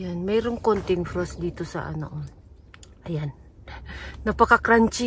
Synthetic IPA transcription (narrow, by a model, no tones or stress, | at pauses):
janmɛɾoŋkont̪ɪŋfɾosd̪it̪osa̰ʔa̰no̰ʔo | ʔajanː | ɐpakakɾant͡ʃɪ